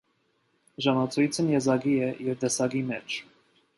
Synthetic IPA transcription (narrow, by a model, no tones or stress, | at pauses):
ʒɑnɑt͡sʰujt͡sʰənjɛzɑɡiɛɛɾvd̪ɛsɑɡimɛt͡ʃʰ